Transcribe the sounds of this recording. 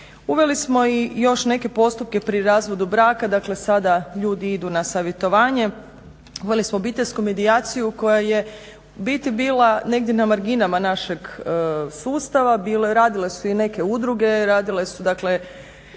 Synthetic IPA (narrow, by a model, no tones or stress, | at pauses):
uʋe̞lismo̞ijo̞ʃne̞ke̞po̞st̪up̚ke̞pɾiɾaːzʋo̞d̪ubɾaːkad̪akle̞sad̪aʎuːd̪iid̪unasaʋje̞t̪o̞ʋaːɲe̞ | uʋe̞lismobit̪eʎʲskume̞d̪iaːt̪sijuko̞jaje̞ | bit̪ibiːlˠane̞ɡ̚d̪jenamaɾɡinamanaʃe̞ɡsuːst̪aʋabiːleɾaːd̪ile̞suine̞keud̪ɾuɡe̞ɾaːd̪ile̞sud̪akle̞